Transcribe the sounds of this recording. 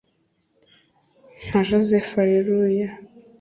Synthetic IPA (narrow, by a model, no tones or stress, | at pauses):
naʒazefaɾiɾuja